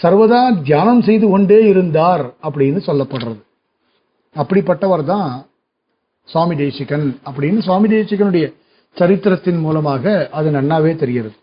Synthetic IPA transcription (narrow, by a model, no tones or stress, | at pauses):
sɐɾʋɐðaːd̪ʱjaːnɐmsɛjðɯɔɳɖeːɪɾɯnd̪aːɾɐp̬ːɐɽɪnːɯsɔlːɐpːɐɽɾɐðɯ | ɐpːɐɽɪpːɐʈːɐʋɐɾt̪̬ãː | swaːmid̪eːsɪkːɐnɐpːɐɽɪnːɯs̬waːmiɖ̪eːsɪkːɐnɯɽɐjɐ | t͡ʃɐɾɪt̪ːɪɾɐt̪ːɪnmuːlɐmaːɣɐɐðɯnɐnːaːʋeːt̪ɛɾɪjɪɾɐðɯ